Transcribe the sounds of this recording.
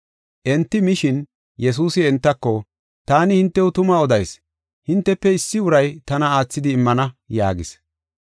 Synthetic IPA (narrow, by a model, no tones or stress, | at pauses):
ʔɛnt̪ːɪmɪʃɪn | jɛs̬uːsɪɛnt̪ːɐkːɔ | t̪aːnɪhɪnt̪ːɛʊt̪ʊmɐɔd̪ɐjs | hɪnt̪ːɛpːɛɪsːɪʊɾɐjt̪ɐnɐaːt͡sːɪd̪ɪːmːɐnɐja̰ːɡɪs